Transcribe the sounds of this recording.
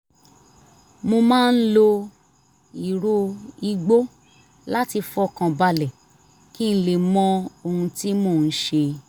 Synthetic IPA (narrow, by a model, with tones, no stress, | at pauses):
mo˧mãː˦˧n̩˦lo˧ | i˨ɾo˧i˧ɡ͡bo˦ | la˦ti˧fɔ˧˦kã˨ba˧lɛ˨ | ki˦n̩˦le˨mɔ̃˧o˨hũ˧ti˦mo˦˨n̩˦ʃe˧